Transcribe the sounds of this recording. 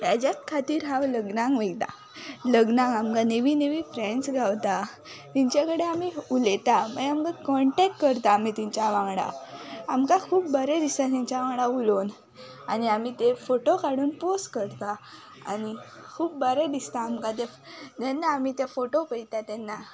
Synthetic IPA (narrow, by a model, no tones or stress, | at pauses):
t̪ad͡ʑat̪kʰat̪iːɾɦãwləɡnãŋɡʋəjt̪a̰ | ləɡnãŋɡamkaneʋineʋifɾẽɳsɡʱawt̪a | t̪iɲt͡ɕjakəɽeamiulet̪aməɡamkakɔɳʈɛkʈkəɾt̪aːmit̪ĩɲt͡ɕaʋãŋɡɽa̰amkakʰuːpbəɾəd̪ist̪at̪ĩɲt͡ɕaʋãɡɽaulon | aniamit̪efoʈokaɽuːnposʈkəɾt̪a | a̰nikʰuːpbəɾəd̪ist̪aːmkat̪e | t̪enːaːmit̪efoʈopəjt̪at̪ɛnːa